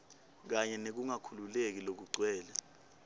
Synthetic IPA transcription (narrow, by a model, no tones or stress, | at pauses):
k̬aɲɛnek̬uŋakʰululek̬ilok̬uǀwɛːla